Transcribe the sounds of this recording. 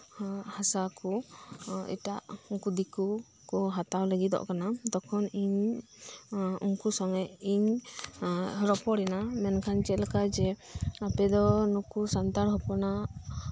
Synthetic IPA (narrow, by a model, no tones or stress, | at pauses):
hasakɔ | ḭʈaʔuŋkud̪iku | kɔɦat̪awləɡit̪ɔ̰ʔkanad̪ɔkʰɔniɲ | uŋkusɔŋɛʔiɲ | ɾɔpɔɾɛnamɛnkʰant͡ʃɛlakad͡ʒɛapɛd̪ɔnukusant̪aɾɦɔpɔna